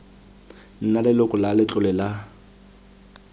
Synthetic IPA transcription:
n̩nalɪlʊkʼʊlalɪt͡ɬʼʊlɪla

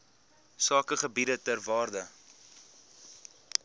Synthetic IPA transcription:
sɑːkəχəbidətərvɑːrdə

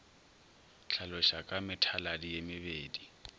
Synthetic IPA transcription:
t͡ɬʰalʊʃakʼamɪtʰaladijemɪbeːdi

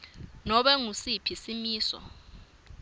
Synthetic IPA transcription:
nɔɓɛŋusipʰisimiːsɔ̰

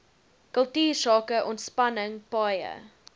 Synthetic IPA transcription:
kəlˠtiːrsɑːkəʔɔntspɐnəŋpɑːjə̰

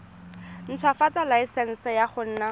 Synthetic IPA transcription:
n̩t͡sʰwafatalaisɛn̩sɛjaχʊn̩ːna

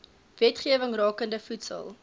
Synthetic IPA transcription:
vɛtχiəvəŋrɑːkəndəfutsə̰lˠ

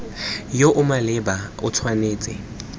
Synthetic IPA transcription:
joʔʊmalɛbaʊ̰tʰwaneːt͡sʼɪ̰

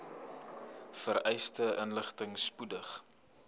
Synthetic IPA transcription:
fəɾɛjstəʔənləχtəŋspudəχ

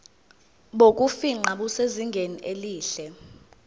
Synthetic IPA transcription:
ɓok̬ʼufiŋ͡ǃaɓuseziŋɡʱeniʔeliːɬɛ

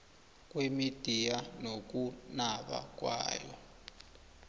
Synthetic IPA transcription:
kwemid̥ʱijanok̬unaɓa̰k̬ʼwa̰ːjɔ̰

